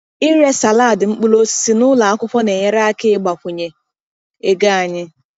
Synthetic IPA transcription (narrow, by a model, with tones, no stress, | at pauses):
ɪ˦ɾe˦sa˨laː˦˨dɪ˨ŋ͡m̩˦k͡pu˦lo˦si̥˦si˦nʊ˦la˨a˦kʷʊ˦pʷɔ˦ne˨ɲe˦ɾa˦kɪ˦ɪ˦ɡ͡ba˨kʷʊ˨ɲe˨ | e˦ɡa˦a˨ɲɪ˦